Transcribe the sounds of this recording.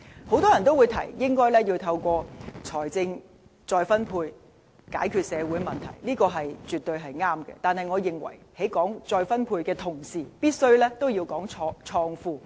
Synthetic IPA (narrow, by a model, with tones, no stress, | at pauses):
ho˨˥wt̪ɔː˥jɐ˨˩nt̪o˥wuː˨˧jt̪ʰɐ̰˨˩jjɪ˥ŋkɔː˥jlɛː˥jiː˧wt̪ʰɐ˧wkʷɔː˧t͡sʰɔː˨˩jt͡sɪ˧ŋ | t͡sɔː˧jfɐ˥npʰuː˧j | ka̰ː˨˥jkʰyː˧t̚sɛː˨˧wu˨˥jmɐ˨nt̪ʰɐ̰˨˩jliː˥kɔː˧ɦɐ˨jt͡ʃyː˨t̪ːɵ˧ɥɦɐ˨jŋaː˥mkɛ̰˧t̪aː˨nhɐ˨jŋɔː˨˧jɪ˨˩ŋwɐ̰˨˩jhe˨˥jkɔː˨˥ŋt͡sɔː˧jfɐ˥npʰuː˧jkɛː˧t̪ʰʊ˨˩ŋsiː˨piː˥t̚sɵ˥ɥlɛː˥t̪o˥wjiː˧wkɔː˨˥ŋʰɔː˧t͡ʃʰɔː˧ŋfuː˧